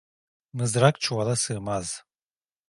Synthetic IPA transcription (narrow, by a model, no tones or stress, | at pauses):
mɯzɾakt͡ʃʰualˠasɯːmaz̥